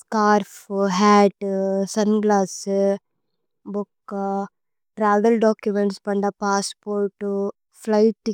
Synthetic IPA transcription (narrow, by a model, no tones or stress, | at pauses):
skaːɾfɦaːʈsɐnɡlaːs | bʊkː | ʈɾaːʋɐlɖaːkjumeɳʈspɐɳɖaːpaːspoːɾʈː | flɐɪʈː